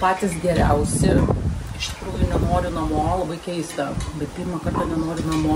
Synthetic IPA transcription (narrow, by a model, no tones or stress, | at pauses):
pɑːt̪ʲɪsɡʲɛɾʲɛʊsʲɪɪʃt̪ʲɪ̥kɾuːjʊnʲɛnoːɾʲɪnɐmoːlˠɐbɐɪkʲɛɪst̪ɐbʲɛt̪̚pʲirmɐkɐrt̪ɐnʲɛnoːɾʲɪnɐmoː